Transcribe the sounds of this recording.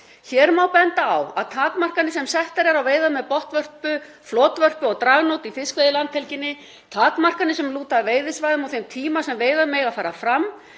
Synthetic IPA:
çɛːɾmawpɛnt̪aa̰waðt̪ʰaːt̪mar̥kanɪsɛmsɛht̪aɾɛɾawveːjðamɛðpɔht̪vœr̥pʏ | flɔːt̪vœr̥pʏɔɣt̪ɾaɣnot̪ifɪskvejðɪlant̪ʰɛlcɪnːɪ | t̪ʰaːt̪mar̥kanɪsɛmluːt̪aveːjðɪsvajðʏmawθejmt̪ʰiːmasɛmveːjðamɪɣaðfaːɾafɾam

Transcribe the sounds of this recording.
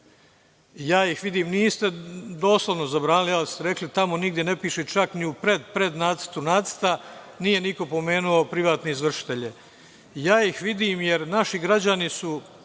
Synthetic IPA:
jaːjixʋid̪iːmniːst̪e̞d̪o̞ːsloʋno̞zabɾaːnilialist̪eɾe̞klit̪amo̞niɡd̪je̞ne̞piːʃet͡ʃakniupɾed̪pɾe̞d̪naːt̪sə̥t̪unaːt̪sə̥t̪a | niːje̞niko̞po̞me̞ːnuo̞pɾiʋaːt̪neizʋr̩ʃi̥t̪e̞ʎe | jaːixʋid̪iːmje̞ɾnaʃiɡɾad͡ʑanisu

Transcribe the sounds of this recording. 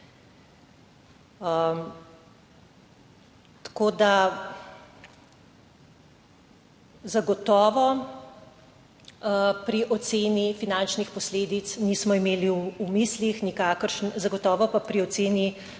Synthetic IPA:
t̪koːd̪a | zaɡɔt̪ɔːʋɔ | pɾiʔɔt̪seːnifinant͡ʃnixpɔsleːd̪it̪sniːsmɔimeːliːmislixnikaːkəɾʃnzaɡɔt̪ɔːʋɔpapɾiɔt̪seːni

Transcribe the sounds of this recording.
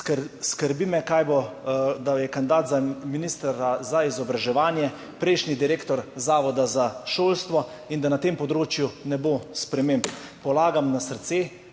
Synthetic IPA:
skəɾbimɛkaːjbod̪ajɛkanid̪aːt̪zaminist̪ɾazaizɔbɾaʒɛʋaːnjɛ | pɾɛjʃnid̪iɾeːkt̪ɔɾzaːʋɔd̪azaʃoːlst̪ʋɔ | ind̪anat̪empɔd̪ɾoːt͡ʃjunɛboːspɾɛmẽːmbnpɔlaːɡamnasəɾt̪seː

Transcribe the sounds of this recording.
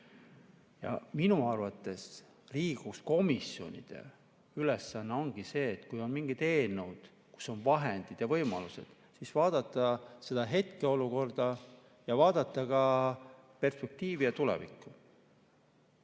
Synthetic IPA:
jɑ̰minuɑrvɑt̪ːˑe̞s | liːɡ̥usko̞misjo̞̰nʲḭd̪̥e̞̰ | yle̞sːɑnːeo̞nɡ̥ise̞ːt̪ːkujo̞nmiŋɡ̥it̪e̞ːnuwd̪̥ | ku̥sːo̞nvɑɦe̞nd̪̥id̪̥jɑvɤ̞jmɑ̰luse̞̰d̪̥ | sisvɑːd̪̥ɑt̪ːˑɑse̞d̪̥ɑɦe̞t̪ke̞o̞luko̞rd̪̥ɑ | jɑvɑːd̪̥ɑt̪ːˑɑkɑ | pe̞rspe̞k̚t̪iːviɑt̪ulḛvḭkːˑu

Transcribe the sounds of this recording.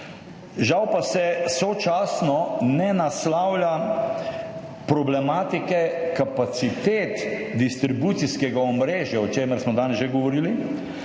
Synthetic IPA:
ʒawpasɛsɔt͡ʃaːsnɔnɛnaslawlja | pɾɔblɛmaːt̪ikɛkapat̪sit̪eːt̪d̪ist̪ɾibut̪siskɛɡaɔmɾeːʒjaɔt͡ʃeːmɛɾsmɔd̪aːnɛzʒeɡɔʋɔɾiːli

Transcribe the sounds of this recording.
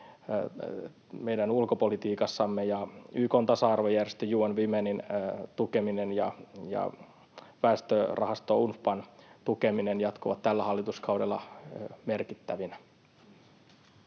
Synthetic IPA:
mejdænulkopolit̪iːkɑsːɑmːejɑyːkoːnt̪ɑsɑɑrʋojærest̪øjuːɑnʋimenint̪ukeminenjɑ̰jɑ̰ | ʋæˑːst̪ørʔɑhɑst̪ounfpɑnt̪ukeminenjɑt̪koʋɑ̰t̪t̪ælːæhɑlːit̪uskɑwdelːɑ̰merkit̪ːæʋinæ

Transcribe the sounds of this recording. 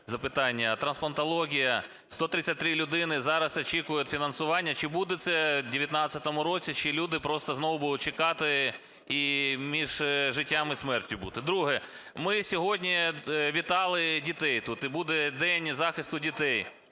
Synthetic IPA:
zɐpɪt̪ɑnʲːɐt̪ɾɐnspɐnt̪ɐlˠɔɦʲijɐ | st̪ɔt̪ɾɪt͡sʲsʲɐt̚ʲt̪ɾɪlʲʊd̪ɪnɪzɑɾɐsɐt͡ʃikʊjʊt̪fʲinɐnsʊʋɑnʲːɐt͡ʃɪbud̪ɛt̪sɛdʲɪʋʲjɐt̪nɑt͡sʲɐt̪ɔmʊɾɔt͡sʲit͡ʃɪlʲud̪ɪpɾɔst̪ɐznɔʋʊbud̪ʊt̪̚ʲt͡ʃɪkɑt̪ɪ | imʲiʒʒɪtʲːamɪsmɛrtʲʊbut̪ɪd̪ɾuɦɛ | mɪsʲɔɦɔdʲnʲiʋʲit̪ɑlˠɪdʲit̪ɛjt̪ut̪ɪbud̪ɛd̪ɛnʲzɑxɪst̪ʊdʲit̪ɛj

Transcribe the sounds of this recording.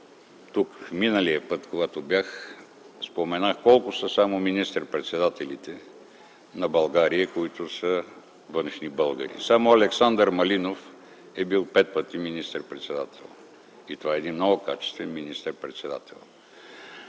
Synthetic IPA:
t̪ukminəlijəpət̪koɡat̪objax | spomɛnaxkɔlˠkʊsəsamominist̪əɾpɾɛt̪sɛd̪at̪ɛlit̪ɛ | nɐbɐlˠɡaɾijəkoit̪ʊsə | vənʃnibɤlˠɡə̰ɾḭsamoɐlɛksand̪əɾmɐlinof | ɛbilˠpɛt̪̚pət̪iminist̪əɾpɾɛt̪sɛd̪at̪ʰɛ̰lˠ | it̪ovaɛːd̪inmnɔɡʊkat͡ʃɛ̥st̪vɛnminist̪əɾpɾɛt̪sɛd̪a̰t̪ɛ̰lˠ

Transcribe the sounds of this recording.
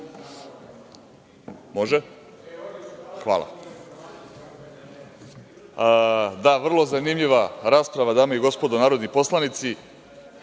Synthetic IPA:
mo̞ʒɛ | xa̰ːlˠa̰ | d̪aʋr̩lˠo̞zanimʎiʋaɾaːspɾaʋad̪aːmaiɡo̞spod̪onaːɾo̞d̪nipo̞slˠanit̪si

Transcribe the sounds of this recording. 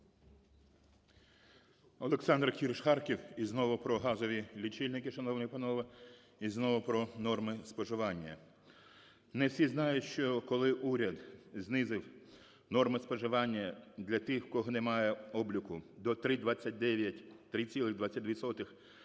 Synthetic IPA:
ɔleksɑnd̪rkʲirʃxɑrkʲiwiznɔʋʊpɾɔɦɑzɔʋʲilʲit͡ʃilʲnɪkɪʃɐnɔwnɔjpɐnɔʋɐ | iznɔʋʊpɾɔnɔrmɪspɔʒɪʋɑnʲːɐ̰ | nɛwsʲiznɑjʊtʲʃt͡ʃɔkɔlˠɪʔuɾʲɐd̪znɪzɪw | nɔrmɪspɔʒɪʋɑnʲːɐd̪lʲɐt̪ɪxkɔɦɔnɛmɑjɛɔblʲʊkʊd̪ɔt̪ɾɪd̪ʋɑt͡sʲːɐt̚ʲd̪ɛʋʲjɐtʲt̪ɾɪt͡sʲilˠɪɣd̪ʋɑt͡sʲːɐt̚ʲʋʲit̪sɔt̪ɪx

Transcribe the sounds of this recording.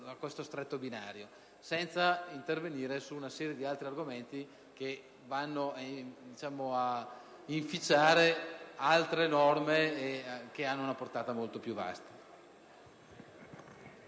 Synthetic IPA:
akwest̪ost̪ɾet̪ːobinaːɾjo | sɛnt̪saint̪erveniːɾesuːnasɛːɾjed̪ialt̪ɾiarɡoment̪i | ke | vanːoad̪it͡ʃaːmoa | iɱfit͡ʃːaːɾealt̪ɾenɔrmeːk̟eanːounaport̪aːt̪amolt̪opjuva̰st̪ḁ

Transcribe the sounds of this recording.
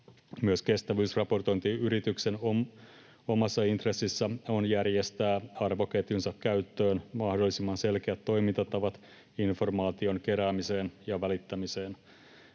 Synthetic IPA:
myøske̞st̪æʋyːsrɑpo̞rt̪o̞jnt̪iyɾit̪ykse̞no | o̞mɑsːɑint̪resːisːæo̞njærjest̪æːɑrʋoket̪insɑkkæyt̪ːøːnmɑhdolːisimːɑnse̞lk̟eæt̪ːo̞jmint̪ɑt̪ːɑʋɑt̪ | info̞rmɑːt̪io̞nke̞ɾæːmise̞ːnjɑʋælit̪ːæmiseːn

